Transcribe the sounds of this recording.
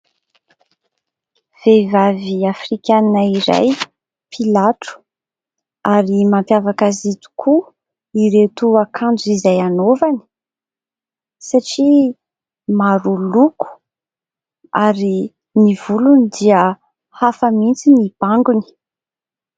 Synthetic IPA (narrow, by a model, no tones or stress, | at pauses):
v̥evaviafrikʲaninaiɾa̰j | pʰilaʈ͡ʂu̥ | aɾimampjavakazit̪u̥kʰu | iɾet̪uakʰand͡zizajanovani̥ | saʈ͡ʂi | maɾuluku̥ | aɾi | niv̥ulunid̪iə | hafəmint͡sinib̥aŋɡuni̥